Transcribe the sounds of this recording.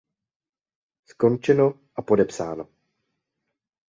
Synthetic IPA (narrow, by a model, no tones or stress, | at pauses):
sko̞nt͡ʃɛno̞ | ʔapo̞dɛpsaːno̞